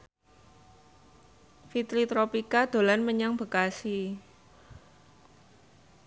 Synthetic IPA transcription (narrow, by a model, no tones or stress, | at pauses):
fit̪ɾit̪ɾopikad̪̥o̤lanməɲaŋb̥ə̤kasi